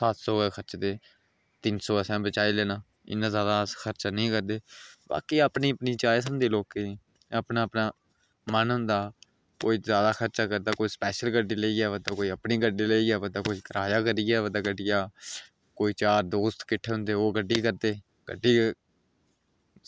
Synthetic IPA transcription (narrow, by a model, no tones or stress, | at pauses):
saːt̪soːɛkʰəɾt͡ʃd̪eː | t̪ɪnsoːsãːbət͡ʃaːiːlɛːnãː | ɪ̰nːãːzjaːd̪aːskʰəɾt͡ʃaːnəĩːkəɾd̪eːba̰ːkiːaːpniːəpniːt͡ʃaːjes̬ənd̪eːloːke | əpnaːəpnaː | mənɦʊ̃nd̪aː | koːiːzaːd̪aːkʰəɾt͡ʃaːkəɾd̪aːkoːiːspɛːʃəlɡəɖːiːləiːɡaːʋəd̪aːkoːiːəpniːɡəɖiːləiːɡaːbəd̪aːkoːiːkəɾaːjaːkəɾiːɡaːʋəd̪aːɡəɖijaː | koːiːt͡ʃaːɾd̪oːst̪kɪʈʰːeːɦʊ̃nd̪eːoːɡəɖːiːkəɾd̪eː | ɡ̥ə̰ɖːiː